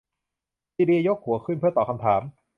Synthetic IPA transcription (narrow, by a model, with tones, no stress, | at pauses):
siː˧di˧jo˦˥k̚hu˨˩˦ɐkʰɯ˥˩npʰɯ˥˩ɐt̪ɔː˨˩kʰa˧mt̪ʰaː˩˦m